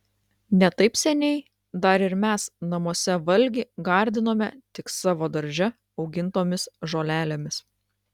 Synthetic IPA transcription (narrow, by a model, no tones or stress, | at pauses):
nʲɛt̪ɐɪpsʲɛnʲɛɪ | d̪ɐɾɪɾmʲæsnɐmuɔsʲɛʋɐlʲɡʲɪɡɑˑɾʲd̪ʲɪnoːmʲɛt̪ʲɪksɑːʋoːd̪ɐɾʲd͡ʒʲɛ | ɒʊɡʲɪnt̪oːmʲɪsʒoːlʲæːlʲeːmʲɪs